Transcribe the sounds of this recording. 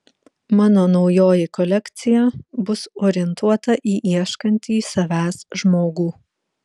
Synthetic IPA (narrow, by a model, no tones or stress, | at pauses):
mɑːnoːnɒʊjoːjɪkɔlʲɛkʲt̪sʲɪjɛbʊsoːɾʲɪɛnt̪uɔt̪ɐʔiːʔiɛʃkɐnʲt̪ʲiːsɐʋʲæːsʒmoːɡuː